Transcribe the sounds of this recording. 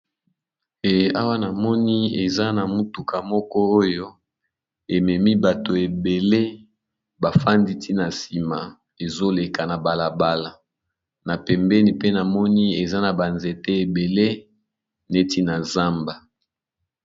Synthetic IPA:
e˨a˦wa˦na˨mɔ˦ni˦e˨za˦na˨mu˦tu˨ka˨mɔ˦kɔ˦o˦jo˦ | e˨mɛ˨mi˦ba˨to˨e˨be˨le˦ | ba˨fa˦ndi˦tʰi˦na˨si˨ma˨ | e˨zo˦le˨ka˨na˨ba˨la˨ba˦la˨ | na˨pɛ˨mbɛ˦ni˨pe˦na˨mɔ˦ni˦e˨za˦na˨ba˨nze˨te˦e˨be˨le˦ | ne˦ti˦na˨za˦mba˨

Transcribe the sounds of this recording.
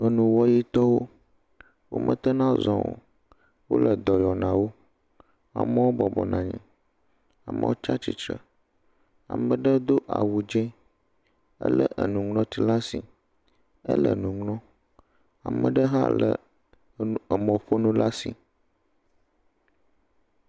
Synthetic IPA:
ə˨nũ˨wɔ˦ji˦t̪ɔ˦wo˦ | wo̰˦mə̰̃˦t̪ə˦nã˦zɔ̃˨wo̰˨ | wo̰˦lə˨d̪ɔ˨jɔ˨nã˨wo˦ | a̰˨mə˦wo˦bɔ˨bɔ˨nã˨ɲɛ̃˨ | a˨mə̰˨wo˦t͡ʃa˦t͡ʃi˨t͡ʃɾə˨ | a̰˨mə̃˨ɖə˦d̪o˦ʔa̰˨wu˨d͡ʒɛ̃˦ | ə̰˦lə˦ʔə˨nũ˨ŋlɔ̃˦t̪i˦la˦si˨ | ə̰˦lə̰˨nũ˨ŋlɔ̃˦ | a˨mə̃˨ɖə˦ɦa̰˦lə̰˨ | ə˨mə̃˨ɸo˦nũ˦la˦si˨

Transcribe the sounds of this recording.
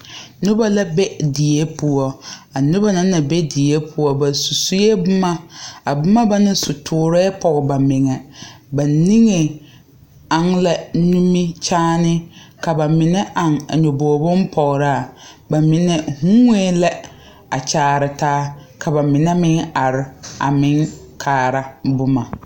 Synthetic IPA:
nʊ˦ba˦la˦bɛ˦dɪ˨je˦pʊ˦ɔ˦a˨nʊ˦ba˦na˦na˨be˦dɪ˨je˦pʰʊ˨˦ɔ˦ba˨su˨su˦je˦bʊ˦ma˦a˨bʊ˦ma˦ba˦nɪ˦sʊ˨tʰʊː˨˦ɾɛ˦pɔ˨ɣɪ˨ba˨mɪ˨ŋɛ˨ba˨ni˦ŋe˨ | a˨ŋla˦nũ˦mi˦t͡ʃaː˦nɪ˦ka˨ba˨mɪ˨nɛ˦ʔa˨ŋa̰˨ɲɔ˨boː˨bʊ˦mpʰɔ˨ɣɾa˦˨ba˨mɪ˨nɛ˨hu˦ŋe˦lɛ˦ | a˨t͡ʃaː˨ɾɪ˨taː˦kʰa˨ba˨mɪ˨nɛ˦mɪ˦ŋa˨ɾɪ˦a̰˨mɪ̃˦ŋ | kʰaː˨ɾa˦bʊ˦ma˨

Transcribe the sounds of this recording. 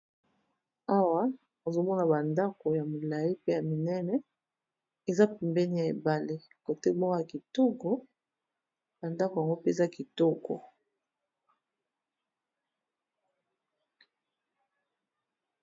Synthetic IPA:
a˦wa˦ | o˨zo˨mɔ˦na˨ba˨nda˦ko˨ja˨mo˨la˨ji˦pe˦ja˨mi˨nɛ˦nɛ˦ | e˨za˦pi˨mbɛ˦ni˦ja˨ḛ˨ba˨le˦ | ko˨te˦bɔ˦a˨ki˨to˦kɔ˦ | b̥a˨nda˦ko˨ja˨ŋɡo˦pe˦˨za˦ki˨to˦kɔ̰˨

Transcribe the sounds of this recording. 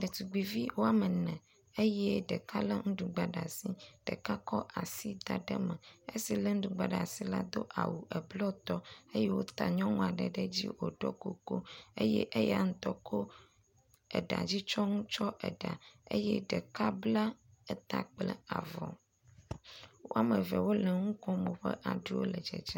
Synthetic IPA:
ɖɛ˨t̪u˨ɡ͡bi˨vi˦wo˦a˨mə˨nɛ̃˨ | e˦jɛ˦ɖɛ˨ka˦lə˦ŋũ˦ɖu˨ɡ͡ba˨ɖa˨si˦ɖ̥ɛ̰˨ka˦kɔ˦ʔa˨si˦d̪a˨ɖɛ˦mɛ̃˨e˦si˨lə˦ŋ̩̃˦ɖu˨ɡ͡ba˨ɖa˨si˦la̰˦d̪o˦ʔa̰˨wu˨ʔɛ˨blɔ˦t̪ɔ˦e˦jɛ˦wo˦t̪a˨ɲɔ̃˦ŋũ˦˨a˨ɖə˨ɖɛ˦d͡ʑḭ˦wo˨ɖɔ˦ko˨ko˦e˦jɛ̰˦ʔe˦ja˨ŋ̩̃˦t̪ɔ˦ko˦ | ɛ̰˨ɖa̰˨d͡ʑi˦t͡ʃɔ˦ŋũ˦t͡ʃɔ˦ʔɛ˨ɖa˨ḛ˦jɛ˦ɖɛ˨ka˦bla˦ɛ˦t̪a˨k͡plɛ˦a̰˨vɔ˨ | wo˦a˨mə˨vɛ˨wo˦lɛ˨ŋũ˦kɔ̃˦mõ˨ɸɛ̰˦ʔa˨ɖu˦wo̰˦lɛ˨d͡ʒɛ̰˨d͡ʒa˦

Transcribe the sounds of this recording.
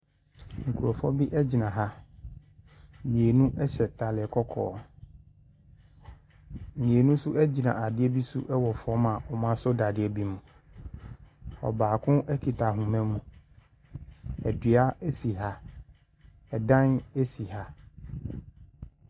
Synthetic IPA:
ŋ̩˨kʰu˨ɾɔ˨fɔ˦bi˦ʔɛ˦d͡ʑi˨nã˨ɦa˦˨ | mĩ˨e˨nũ˦ʔɛ˦ɕɛ˨tʰa˨lɪ˨kʰɔ˦kʰɔ̰ː˨˦ | m̩˨mĩ˨e˨nũ˦su˦ʔɛ˦d͡ʑi˨nã̰˨a˨dɪ˦ɛ˦bi˦sṵ˦ʔɛ˦wɔ˨fɔ˦mã˨ʔɔ˨mã˦sʊ˦da˨dɪ˦ɛ˨bi˦mũ˨ | ɔ̰˨baː˨kʰʊ̃˦ʔɛ˦kʰi˨tʰa˨ɦũ˨mɛ̃˦mũ˨ | ɛ˨dɥa˦ɛ˦si˨ɦa˦ | ɛ˨dã˦ne˦si˨ha˦

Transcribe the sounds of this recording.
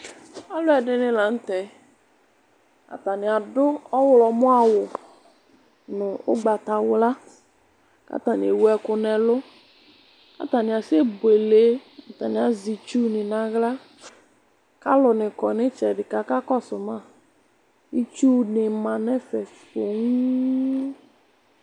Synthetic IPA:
a˦lʊ˦ɛ˨dɪ˦nɪ˦la˨n̩˦tɛ˨˦ | a̰˨ta˨nɪ˨a˨dʊ˦ɔ˦wʊ˨lɔ˨mʊ˦a˦˨wʊ˨ | nʊ˨ʊ̰˦ɡ͡ba˨ta˨wʊ˦la˦ | ka̰˦ta˨nɪ˨e˨wu˦ɛ˦kʊ˨nɛ˨lʊ˦ | ka̰˦ta˨nɪ˨a˨se˦bwe˨le˨˦a˨ta˨nɪ˨a˨zi˨t͡ʃu˦nɪ˨na˨ɣla˦ | ka˦lʊ˨nɪ˨kɔ˨nɪ˦t͡ʃɛ˨dɪ˨ka˨ka˦kɔ˦sʊ˨ma˦˨ | i˦t͡ʃu˦nɪ˨ma˨nɛ˦fɛ˨o˨ŋ˦

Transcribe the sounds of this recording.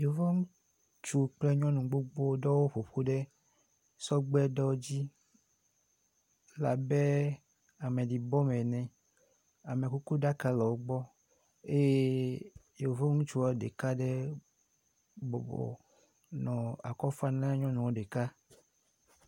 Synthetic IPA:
je˨o˨vɔ˦ŋũ˦ | t͡ʃu˦k͡plɛ˦ɲɔ̃˦nũ˨ɡ͡bo˦ɡ͡bo˦ɖɔ˦wo˦ɸo˨ɸo˦ɖɛ˦ | sɔ˦ɡ͡bɛ˦ɖɔ˦d͡ʑi˦ | la̰˨bɛ˦ | a˨mẽ˨di˨bɔ˦mɛ̃˨nɛ̃˨ | a˨mẽ˨ku˦ku˦ɖa˦ka˦lɔ˨wo˦ɡ͡bɔ˦ | e˦je˦je˨wo˨vɔ˦ŋũ˦t͡ʃu˦wɔ˨˦ɖḛ˨ka˦ɖe˦ | bɔ˨bɔ̰˨ | nɔ̃˨a̰˨kɔ˦fa˦nã˦ɲɔ̃˦nũ˨wo˦ɖe˨ka˦

